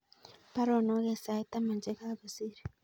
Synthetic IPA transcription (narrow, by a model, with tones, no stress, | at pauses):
pa˦ɾɔ˨no˦ɣɛ˨sa˨i˦ta˦ma˨nd͡ʒɛ˦ka˦βa˨si˦ɾi